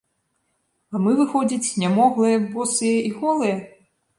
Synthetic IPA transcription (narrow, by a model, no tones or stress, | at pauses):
ɐmɨvɨxɔd͡zʲit͡sʲnʲamɔɣlˠɨjɐbɔsɨjɐʔiɣɔlˠɨjɐ